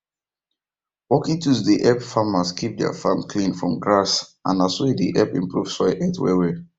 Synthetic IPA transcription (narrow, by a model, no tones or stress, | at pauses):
wɔkĩtʰuzdiʔɛpfamaskʰip̚dɛ̰a̰fãmkʰlĩnfɹɔ̃mɡɹasãnaswɛdḭʔɛpḭ̃mpʰɹuv̥swaɪʔɛtwɛ̰wɛ